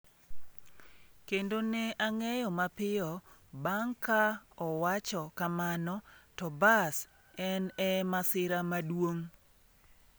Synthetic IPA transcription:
kendonɛʔaŋɛjɔmapɪɔbaŋkaɔwat͡ʃɔkamanɔtɔbas | ɛnɛmasɪɾamadwoŋ

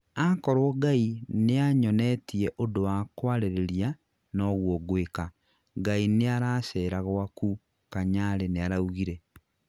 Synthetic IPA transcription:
akɔɾwɔɡaineaɲɔnɛtieʔodowakwaɾeɾeɾia | nɔɣwɔɡweka | ɡaineaɾaʃɛɾaɣwaku | kaɲaɾeneaɾauɣiɾe

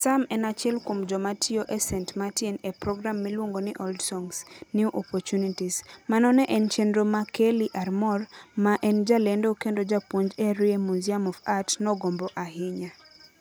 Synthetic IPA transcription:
samɛnat͡ʃɪɛlkomd͡ʒɔmatɪoʔɛsɛntmatinepɾɔɡɾamːɛlwoŋɡonɪʔɔldsɔŋsniuʔɔpɔt͡ʃunitismanɔnɛʔɛnt͡ʃendɾomakeliʔarmɔrmaʔɛnd͡ʒalendokendod͡ʒapwoɲd͡ʒɛɾɪemuziamɔvatnɔɡomboʔaɦɪɲa

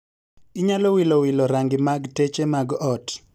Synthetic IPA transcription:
ɪɲalɔwilɔwilɔɾaŋɡɪmaɡtet͡ʃemaɡɔt

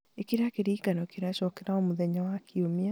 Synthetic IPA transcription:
ekeɾeakeɾiːkanɔekeɾeaʃɔkeɾaomuðɛɲawakiomia

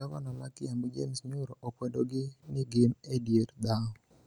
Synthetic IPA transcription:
akɔnɔmakɪambd͡ʒḛmsɲʊɾɔʔokwɛdoɡɪnɪɡɪmedjeɾd̪aɔ

